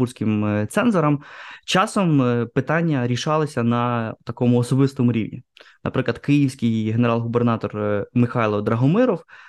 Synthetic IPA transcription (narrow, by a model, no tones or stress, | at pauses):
ursʲkɪmt̪sɛnzɔɾɐmt͡ʃɑsɔmpɪt̪ɑnʲːɐɾʲiʃɑlˠɪsʲɐnɐt̪ɐkɔmʊɔsɔbɪst̪ɔmʊɾʲḭwnʲḭnɐ̰pɾɪklˠɐd̪kɪjiwsʲkɪjɦeneɾɑlˠɦubernɑt̪ɔrmɪxɑjlˠɔd̪ɾɐɦɔmɪɾɔw